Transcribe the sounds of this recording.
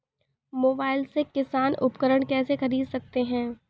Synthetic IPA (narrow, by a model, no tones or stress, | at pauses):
moːbaːɪlsekɪsaːnʊpkəɾəɽ̃kɛːsexɐɾiːd̪sɐk̚t̪eɦɛ̃ː